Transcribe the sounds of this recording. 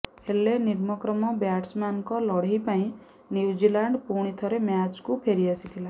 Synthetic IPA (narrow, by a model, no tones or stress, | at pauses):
heleniɾmɔkɾɔmɔbjaʈsmankɔlɔɽ̤ipãĩ | njuud͡ʒilaɳɖpuɽ̃it̪ʰɔɾemjat͡ʃkupʰeɾiasit̪ʰila